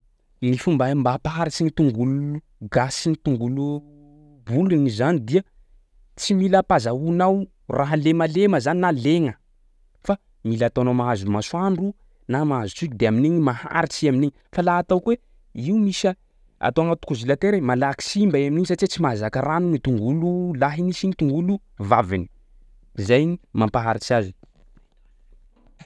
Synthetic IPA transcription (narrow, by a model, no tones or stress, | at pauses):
nifumbambapaɦaɾit͡siɲit̪uŋɡuluu | ɡasinit̪uŋɡulu | bulinizanid̪iə | t͡similəpazaunaw | raɦəlemaleməzaninaleŋə | fa | milat̪awnawmaɦazulumasuaɳɖ͡ʐu | namaɦazut͡sikʲid̪eaminiɲimaha̰ɾit͡siaminiɲifalaat̪awkwe | iumisə | a̰t̪oaŋat̪u̥kuzilat̪eɾemalaki̥simbaeaminiɲisat͡siet͡simazakaranunit̪uŋɡululaɦinisinit̪uŋɡulu | vavini̥ | zajɲimampaɦaɾit͡siazin